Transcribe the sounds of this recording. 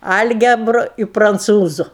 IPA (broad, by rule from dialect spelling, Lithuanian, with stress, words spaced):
ˈɐlʲɡʲɛbrʊ ɪ prɐnˈt͡suːzʊ